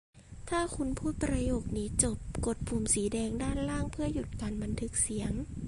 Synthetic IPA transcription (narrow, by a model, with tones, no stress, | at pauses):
t̪ʰaː˥˩kʰu˧˥npʰuː˧˥˩pɾa˧joː˧˩k̚niː˦˥t͡ɕo˨˩p̚ko˨˩t̪̚pʰu˨˧˩msiː˨˦dɛː˧ŋdaː˥˨nlaː˥˩ŋpʰɯ˥˩ɐju˨˧˩t̪̚kaː˨nba˧˦nt̪ʰɯ˧˦˥k̚si˩˦əŋ